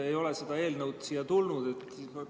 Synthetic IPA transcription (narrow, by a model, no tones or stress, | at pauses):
e̞jo̞lese̞d̪̥ɑe̞ːlnəwd̪̥siːjɑt̪ulnud̪̥e̞t̪ː